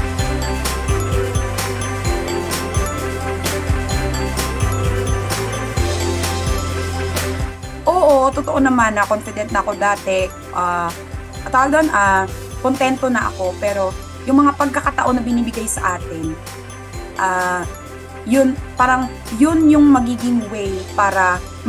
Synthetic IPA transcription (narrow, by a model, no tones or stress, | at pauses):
ʔoːʔot̪ot̪oʔonɐmanːɐkonfɪd̪ɛnt̪nɐɐko̞d̪aːt̪ɛ | ʔaː | ʔt̪awaɡd̪oɐnʔaː | kont̪ɛnt̪o̞nɐʔɐ̰ko̞pɛːɾo̞ | jʊŋmɐŋapɐɡ̚kɐkɐt̪ɐʔo̞nːɐbɪniːbɪɡajsɐ̰ʔaːt̪ɪn | ʔaː | jʊnpaːɾɐŋ | jʊnjʊŋmɐɡiːɡɪŋwɛjpaːɾɐ